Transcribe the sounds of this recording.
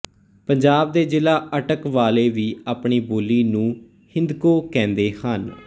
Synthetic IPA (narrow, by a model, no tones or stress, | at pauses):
pəɲd͡ʒaːbd̪eːd͡ʒɪlaːʔəʈəkʋaːleːʋiːaːpɳiːboːliːnũː | hɪ̃nd̪koːkɛ̃ːnd̪eːhan